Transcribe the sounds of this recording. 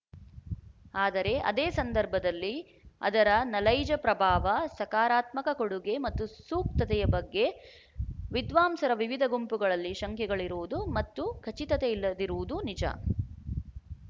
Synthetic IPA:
aːd̪ɐɾe̞ʔɐ̰d̪eːsɐnd̪ɐɾbʱɐd̪ɐlːi | ɐ̰d̪ɐɾɐnɐlɐjd͡ʒɐpɾɐbʱaːʋɐsɐkaːɾaːt̪mɐkɐkoɽuɡe̞mɐt̪ːusuːk̚t̪ɐt̪ɛjɐbɐɡːe̞ | ʋid̪ʋaːmsɐɾɐʋiʋid̪ʱɐɡumpuɡɐɭɐlːiʃɐŋkʰjɛɡɐɭiɾuʋud̪umɐt̪ːukʰɐt͡ʃit̪ɐt̪eilːɐd̪iɾuʋud̪unid͡ʒɐ̰

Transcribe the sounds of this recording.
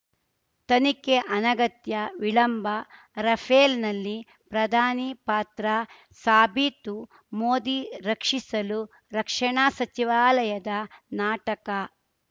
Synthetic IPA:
t̪ɐnikeʔɐnɐɡɐt̪jɐʋiɭɐmbʱɐ | ɾɐpʰeːlnɐlːi | pɾɐd̪ʱaːnipaːt̪ɾɐ | saːbit̪u | moːd̪iɾɐkʂisɐlu | ɾɐkʂɐɳaːsɐt͡ʃiʋaːlɐjɐd̪ɐnaːʈɐkɐ

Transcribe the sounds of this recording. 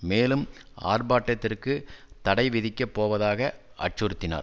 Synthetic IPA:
meːlɯm | a̰ːrbaːʈːɐt̪ːɪrkɯt̪ɐɽɐɪʋɪðɪkʲːɐpːoːʋɐðaːɣɐ | ʔɐ̰ʈt͡ʃʊɾɯt̪ːɪna̰ːɾ

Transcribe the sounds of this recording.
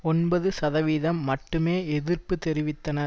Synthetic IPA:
ɔnbɐðɯsɐðɐʋiːðɐmːɐʈːɯmeːɛðɪɾpɯt̪ɛɾɪʋɪt̪ːɐnɐɾ

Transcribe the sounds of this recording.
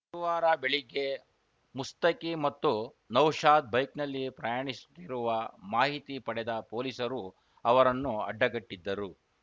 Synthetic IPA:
ɐɾuʋaːɾɐbeɭiɡe̞ | must̪ɐkimɐt̪ːu | nɐwʂaːd̪̚bɐjknɐlːipɾɐjaːɳisu̥t̪ːiɾuʋɐmaːɦit̪ipɐɽɛd̪ɐpoːlisɐɾu | ɐʋɐɾɐnːuɐ̰ɖːɐɡɐʈːid̪ːɐɾu

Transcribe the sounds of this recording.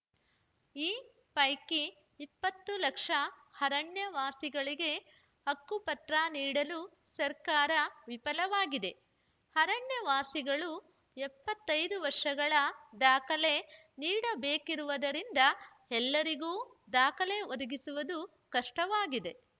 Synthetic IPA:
iː | pɐjkiː | pːɐt̪ːulɐkʂɐhɐɾɐɳjɐʋaːsiɡɐɭiɡe̞ | hɐkːupɐt̪ɾaːniːɽɐlu | sɐɾkaːɾɐʋipɐlɐʋaːɡid̪e̞ | hɐɾɐɳjɐʋaːsiɡɐɭu | ɛpːɐt̪ːɐjd̪uʋɐɾʂɐɡɐɭɐd̪aːkɐle̞ | niːɽɐbeːkiɾuʋɐd̪ɐɾind̪ɐ | ɛlːɐɾiɡuː | d̪aːkɐle̞od̪ɐɡisuʋɐd̪u | kɐʂʈɐʋaːɡid̪e̞

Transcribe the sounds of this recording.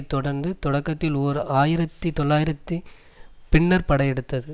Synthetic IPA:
t̪ːɔɽɐɾnd̪ɯt̪ɔɽɐkːɐt̪ːɪloːɾɯaːjɪɾɐt̪ːɯt̪ɔlːaːjɪɾɐt̪ːɯ | pɪɳːɐɾpɐɽɐjɛɽɯt̪ːɐðɯ

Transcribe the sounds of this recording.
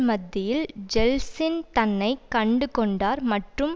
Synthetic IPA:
mɐd̪ːɪjɪld͡ʒɛlsɪnt̪ɐnːɐɪkɐɳɖɯkɔɳɖaːɾmɐʈrɯm

